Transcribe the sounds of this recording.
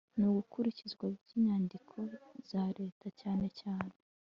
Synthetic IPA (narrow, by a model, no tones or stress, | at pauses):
nuɡukuɾicizɡwaɟiːɲaːndikʰo̞z̥aɾe̞ːtʰacaːne̞caːne